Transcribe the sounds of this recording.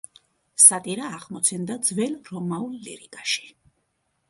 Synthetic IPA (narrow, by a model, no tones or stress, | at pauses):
sat̪ʼiɾaːχmɔt̪sʰɛnd̪ad̪zvɛlɾɔmaulːḭɾḭkʼaʃi̥